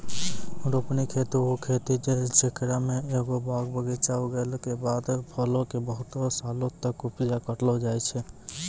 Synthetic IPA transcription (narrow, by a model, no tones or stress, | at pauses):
ɾopnikʰet̪uokʰet̪id͡ʒet͡ʃekɾameeɡobaɡbəɡɛt͡ʃauɡelkebad̪pʰəlokebəɦʊt̪osalot̪əkupjakəʈlɔd͡ʒajt͡ʃʰɛ